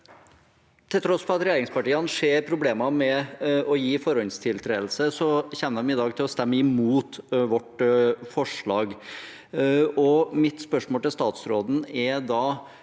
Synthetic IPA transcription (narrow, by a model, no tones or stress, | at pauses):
t̪ʰɪlt̪ɾɔspʰɔɑt̪ɾɛjeːɾɪŋspɑʈiːɑnəʂeːɾpʰɾʊbleːmɑmɛɔjiːfɔɾɔnst̪ʰɪlt̪ʰɾeːlsəsɔçɛnːəɛmɪd̪ɑːɡt̪ʰɪlɔst̪ɛmːəɪmuːt̪ʋɔʈfɔʂɭɑːɡ | ɔmɪt̪spœʂmoːlt̪ɪlst̪ɑːt̪sɾoːd̪n̩ɛd̪ɑː